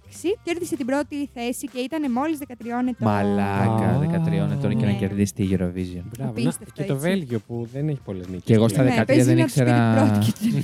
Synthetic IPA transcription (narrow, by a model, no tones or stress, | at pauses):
ksice̞ɾðiset̪ibɾo̞t̪iθe̞sice̞it̪ɐnemo̞lizðekɐt̪ɾio̞net̪mɐlɐkɐðekɐt̪ɾio̞net̪oncenɐceɾðist̪iʝiɾovizionbɾɐviset̪ovelʝopuðeneçi̥polezniceɣo̞st̪ɐðekɐt̪ɐzðenikseɾɐɾo